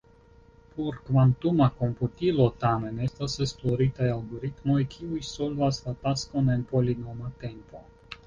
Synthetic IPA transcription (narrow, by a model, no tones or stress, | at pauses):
porkvant̪umakomput̪ilot̪amenest̪asesploɾit̪ajalɡoɾit̪mojkʲʰiujsolvaslat̪askonenpolinomat̪empo